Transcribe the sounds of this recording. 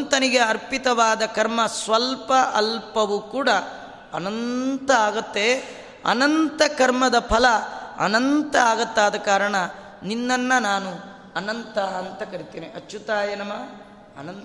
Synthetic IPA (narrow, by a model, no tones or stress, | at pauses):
t̪ɐniɡeɐɾpit̪ɐʋaːd̪ɐkɐɾmɐsʋɐlpɐʔɐ̰lpɐʋukuːɽɐ | ɐnɐnt̪ɐaːɡɐt̪ːe̞ | ɐ̰nɐnt̪ɐkɐɾmɐd̪ɐpʰɐlɐɐ̰nɐnt̪ɐaːɡɐt̪ːaːd̪ɐkaːɾɐɳɐ | ninːɐnːɐnaːnu | ɐnɐnt̪ɐɐnt̪ɐkɐɾit̪iːniʔɐt͡ʃːut̪aːjɐnɐmɐ | ɐ̰nɐn